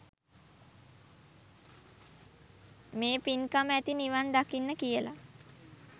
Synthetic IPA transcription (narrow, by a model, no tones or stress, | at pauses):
meːpinkamæt̪iniʋand̪akinːəkijəla̰